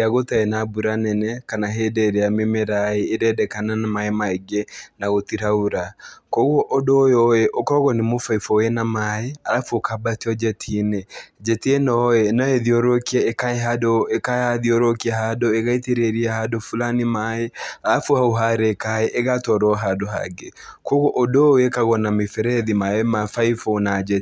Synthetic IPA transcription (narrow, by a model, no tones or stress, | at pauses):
aɣotaɛnabuɾanɛnɛkanaɦedɛɾɛamemɛɾaeːdɛdɛkananamaemaɛɡenaɣotiɾauɾakoɣwɔʔɔdojɔeʔokɔɣɔnemofaifɔwenamaeaɾafokabatiɔd͡ʒɛtʰined͡ʒɛtienɔɛnaɛðioɾokiɛekaeɦadoekaaðioɾokiaɦadoeɣaiteɾeɾiahadofulanimaɛalafoauɦaɾɛkaɛʔeɣatɔɾɔɦadoɦa̰ɡe | koɣoʔodoekaɣɔnamefɛɾɛðimaɛmafaifonad͡ʒɛ